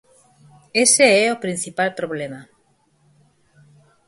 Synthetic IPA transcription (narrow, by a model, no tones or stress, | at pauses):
eseɛopɾin̟θipalpɾoβ̞lema